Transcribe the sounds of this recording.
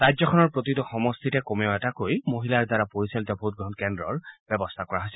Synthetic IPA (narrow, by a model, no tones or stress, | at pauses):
ɹajzɔkʰɔnɔɹpɹotitɔxɔmɔst̪ʰitɛkomɛʊɛtakojmoɦilaɹdaɹapoɹisalitabʱɦut̚ɡɔɦnkɛndɹɔ̰ɹb̥ɔbɔst̪ʰakɔɹaɦojsɛl